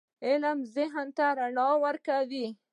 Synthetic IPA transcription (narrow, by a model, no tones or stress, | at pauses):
ɪləmzɪɦnt̪aɾaɳɑwəɾkawi